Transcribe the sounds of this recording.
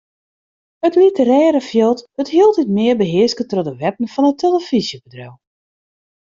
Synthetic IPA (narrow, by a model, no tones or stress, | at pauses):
ətlitərɛːɾəfjɪlˠtəthiəlˠtitmɪərbəɦɪəskətrodəʋɛp̚ən̩fɔnətʰeləfizjəbədra̰w